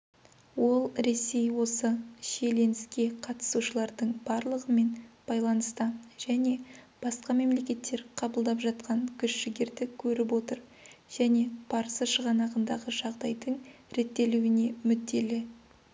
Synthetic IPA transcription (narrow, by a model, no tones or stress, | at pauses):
wo̞lˠɾe̞se̞jwo̞səʃe̞le̞nɪskʲe̞qʰɑt̪ə̥suʃəlˠɑɾd̪əɴb̥ɑɾlˠəʁəme̞nb̥ɑjlˠɑnəst̪əʒ̥æne̞ | b̥ɑsqɑme̞mle̞kʲe̞t̪ːe̞ɾqʰɑbəlˠd̪ɑpʒɑt̪qɑɴkʲʰʏʃʃɪɡʲɪɾd̪ɪkʲʰɵɾɪp̬wo̞t̪əɾ | ʒ̥æne̞b̥ɑɾəsəʃəʁɑnɑʁənd̪ɑʁəʒɑʁd̪ɑjd̪əɴ | ɾe̞t̪ːe̞luwɪne̞mʏd̪ːe̞lɪ